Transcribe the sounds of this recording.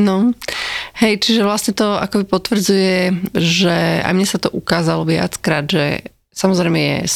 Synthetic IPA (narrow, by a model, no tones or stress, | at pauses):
nɔ | hɛjt͡ʃiʒɛʋlasɲɛt̪ɔa̰kɔbipɔt̪ʋɾ̩d͡zujɛʒɛa̰jmɲɛsat̪ɔʔukaːzalɔʋɪa̰t͡skɾaːd̪ʒɛ̰ | samɔzɾɛjmɛjɛ̰s